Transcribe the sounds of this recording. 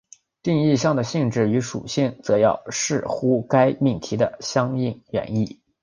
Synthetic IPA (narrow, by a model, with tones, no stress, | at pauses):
t̪i˥˧ŋi˥˧ɕjɑ˥˩ŋd̪ə˩ɕi˥˧ŋʈ͡ʂɻ̩˥˩y˧˥ʂṵ˨˩ɕi˥˩ŋt͡sɤ˧˥jɑ̰˥˩ʊʂɻ̩˥˩xu˥ka˥ɪmi˥˩ŋt̪ʰi˧˥d̪ə˧˨ɕjɑ˥ŋi˥˩ŋɥɛ̰˧˥ni˥˩